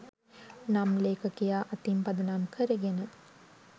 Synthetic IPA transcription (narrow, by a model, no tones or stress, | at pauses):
namleːkɐkijaːʔɐt̪impɐd̪ɐnaːmkʰəɾeɡenə